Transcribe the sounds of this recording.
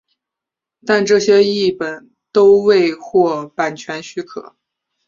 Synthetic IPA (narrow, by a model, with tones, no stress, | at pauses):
t̪a˥˧nʈ͡ʂɤ˥˩ɕjɛ˥i˥˩pə˨˩n | t̪o˥ʊwe˥˧ɪxwɔ˥˩pa˨˩nt͡ɕʰɥɛ˧˥nɕy˥kʰɤ̰˨˩˦